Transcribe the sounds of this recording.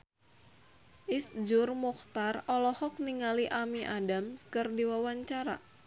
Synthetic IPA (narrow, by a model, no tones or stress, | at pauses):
ʔisd͡ʒʊrmuxt̪arɔlɔhɔk̚niŋaliʔamiʔadamskɨrdiwawaɲt͡ʃaɾa̰